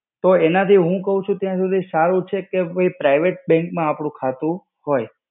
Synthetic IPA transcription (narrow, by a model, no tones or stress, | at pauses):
t̪oenat̪ʰiɦũkəɦũt͡ʃʰũt̪jãsud̪ʱisaɾũt͡ʃʰekeoipɾajʋeʈ̚bɛ̃ŋkmãːpɽ̃ũkʰat̪ũ | hoj